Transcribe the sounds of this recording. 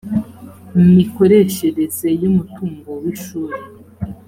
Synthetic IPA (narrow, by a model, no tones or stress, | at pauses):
mmiko̞ɾe̞ʃe̞ɾeze̞jumutuːŋɡo̞wiʃuːɾe